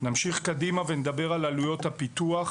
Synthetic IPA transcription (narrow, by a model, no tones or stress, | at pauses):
namʃiχkadimavened̪abe̞ʁalalujo̞t̪hapit̪uaχ